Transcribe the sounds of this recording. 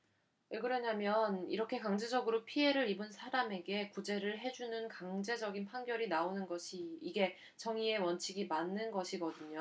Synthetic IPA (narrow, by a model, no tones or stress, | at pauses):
eɡɯɾʌɲamjʌniɾʌkʰe̞kaŋd͡ʑe̞d͡ʑʌɡɯɾopʰie̞ɾɯɾibɯnsʰaɾame̞ɡe̞kud͡ʑe̞ɾɯɭɦe̞d͡ʑunɯnkaŋd͡ʑe̞d͡ʑʌɡinpʰaŋɡjʌɾinaonɯnɡʌɕʰiːɡe̞ | t͡ɕʌŋie̞wʌnt͡ɕʰiɡimanːɯnɡʌɕʰiɡʌdɯɲo